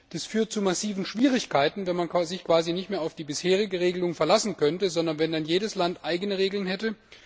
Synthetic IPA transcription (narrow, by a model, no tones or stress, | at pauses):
d̥isfyːɐt̚t͡sumasiːvn̩ʃv̥iːʁɪçkʰaɪtn̩vɛnmankːzɪçkv̥aːzinɪçtmeːɐaʊfd̥iːbɪsheːʁ̞ɪɡəʁeːɡəlʊŋfɛɐlasn̩kʰœntəzɔndɐnvɛndanjeːdəslantʔaɪɡənəʁeːɡl̩ənɦɛtə